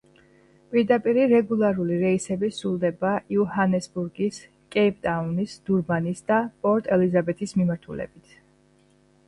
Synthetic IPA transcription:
pʼiɾd̪apʼiɾiɾɛɡulˠaɾuliɾɛisɛbisɾulˠd̪ɛbaʔiuhanɛsbuɾɡis | kʼɛip̚ʼt̪ʼaunisd̪̥uɾmanisd̪apʼɔɾt̪ʼɛlizabɛt̪ʰismimaɾt̪ʰulɛ̰bit̪ʰ

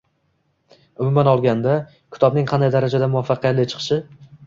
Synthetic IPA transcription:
ʊmʊmanɒlˠɡʲand̪a | kʲʰɪ̥t̪ʰɒbnɪŋqʰɑnd̪ajd̪aɾad͡ʒad̪amʊvafːɑqʰijat̪lɪt͡ʃʰɨ̥qʰɨ̥ʃɪ

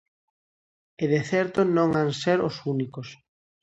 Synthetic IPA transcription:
eðeθɛɾt̪onõŋaŋseɾosunikos

